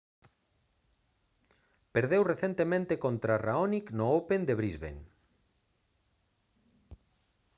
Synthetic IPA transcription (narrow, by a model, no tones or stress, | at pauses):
peɾðewreθent̪emẽnt̪ekont̪ɾaraoniknoopend̪eβɾizβḛŋ